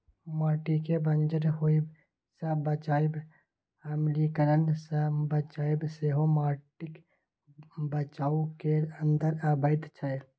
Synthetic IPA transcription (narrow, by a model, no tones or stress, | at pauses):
maːʈikebənd͡ʒəɾɦoib | sabət͡ʃaːib | əmlikəɾənsabət͡ʃaːibseɦomaːʈɪk | bət͡ʃaːukeənd̪əɾabəɪd̪t͡ʃʰə